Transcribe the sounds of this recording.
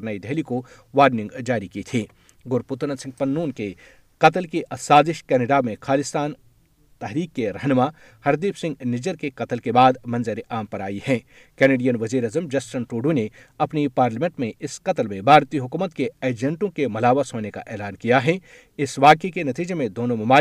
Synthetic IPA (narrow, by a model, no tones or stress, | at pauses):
ɾnaːid̪ɛɦliko | ʋaːɾnɪ̃ŋɡd͡ʒaːɾikit̪ʰiː | ɡʊɾpʊt̪nəsɪ̃ŋɡ̚pɐnːuːnke | qɐt̪əlkeʔɐsaːzɪʃkɛːnɪɖamẽkʰaːlɪst̪aːn | t̪ɛɦɾiːkːeɾɐɦnma | hɐɾd̪iːpsɪ̃ŋɡnɪd͡ʒəɾkekɐt̪əlkebaːd̪mɐ̃nzəɾiʔaːmpɐɾa̰ːiɦɛ̃ː | kɛːneːɖijənʋɐziːɾaːzəmd͡ʒɐsʈənʈoːɖune | ɐpnipaːɾləmẽɳʈmẽɪsqɐt̪əlmẽbʱaːɾt̪iɦʊkuːmət̪keeːd͡ʒə̃ɳʈõkemɐlaːʋasoːneka̰ʔɛːlaːnkijaɦɛ | ɪsʋaːkekenɐt̪iːd͡ʒemẽd̪oːnõmɐmaː